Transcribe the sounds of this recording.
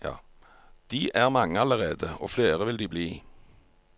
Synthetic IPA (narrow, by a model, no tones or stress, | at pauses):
ɑ̰ | d̪̥iːʔæʁmɑŋːəɑləʁeːd̪əo̰ːfleːʁəʋɪld̪iːbliː